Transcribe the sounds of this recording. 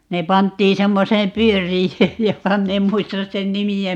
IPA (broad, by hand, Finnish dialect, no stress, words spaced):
ne pɑntːiː semːoseːm pyørˑijøːj jokɑ min em muistɑs sen nimiæ